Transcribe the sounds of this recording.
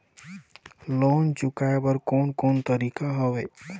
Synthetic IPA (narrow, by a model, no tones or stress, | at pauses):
loːnt͡ʃʊkaebəɾkoːnkoːnt̪əɾiːkaɦoʋeː